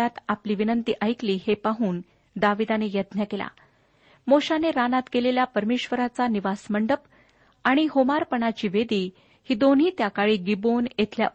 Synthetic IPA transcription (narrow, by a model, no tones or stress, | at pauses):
at̪apliːʋinənt̪iːʔajkliːhepaɦuːn | d̪aʋid̪anejəd̪njakela̰ | moɕaneɾanat̪keleljapəɾmeɕʋəɾat͡saniʋasməɳɖəp | aɽ̃iɦomaɾpəɳat͡ɕiːʋed̪iː | hiːd̪onɦiːt̪jakaɭiːɡibonjet̪ʰlja̰